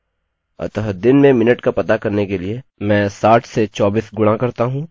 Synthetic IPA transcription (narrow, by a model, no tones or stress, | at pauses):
ɐ̰t̪əɦd̪ɪnmẽmɪnəʈkapɐt̪akɐɾnekeliemɛ̃ːsaːʈʰset͡ʃɔːbiːsɡʊɽ̃ãkɐɾt̪aɦũː